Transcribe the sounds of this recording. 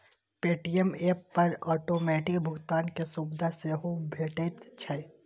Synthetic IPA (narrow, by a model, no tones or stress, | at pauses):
peːʈijəmeːpːɐɾɔːʈoːmɛːʈɪkbʱʊɡt̪aːnkesubd̪ʱaseɦobʱeːʈeːt̪t͡ʃʰɐe